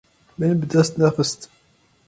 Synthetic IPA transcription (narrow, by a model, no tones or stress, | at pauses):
mænəbd̪æst̪næfəst̪